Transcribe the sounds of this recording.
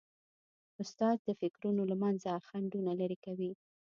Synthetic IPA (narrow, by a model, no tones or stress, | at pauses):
ʊst̪ɑz̚d̪əfɪkɾunolamanzaxaɳɖunalaɾikawi